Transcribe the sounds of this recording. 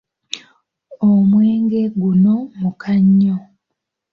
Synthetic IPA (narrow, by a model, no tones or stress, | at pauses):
omweːŋɡe̞ɡuno̞mukʰaɲːo